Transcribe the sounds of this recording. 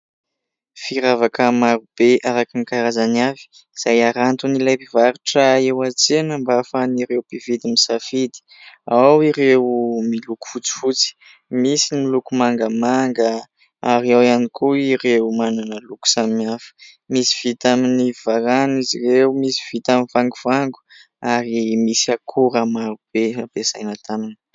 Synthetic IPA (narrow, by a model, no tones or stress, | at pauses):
fiɾavakəmaɾub̥eʔaɾakinikaɾazanavi̥ | iz̥ajaɾant̪unilajpivaɾuʈ͡ʂəewat͡senəmbafaniɾewpivid̪imisafid̪i̥ | awiɾewmiluku̥fut͡si̥fut͡si̥ | misimilukumaŋɡəmaŋɡə | aɾiawanikuiɾewmananəluku̥samimiafə̥ | misi̥v̥it̪aminiv̥aɾaniziɾewmisi̥v̥it̪aminvaŋɡuv̥aŋɡu̥ | aɾimisiakʰuɾamaɾub̥eabezajnat̪aminə̥